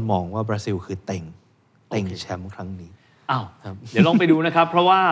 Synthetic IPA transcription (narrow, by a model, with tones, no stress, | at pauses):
nmɔː˧˩ŋwaː˥˩bɾaː˦˥si˧wkʰɯː˧˩t̪e˨˩ŋ | t̪e˨˩ŋt͡ɕʰɛ˦˥mkʰɾa˦˥ŋniː˦˥ | a˧˩wkʰa˦˥p̚jlɔ˥˩ŋpa˧jduː˧na˦˥kʰa˦˥pʰːɾɔ˦˥waː˥˩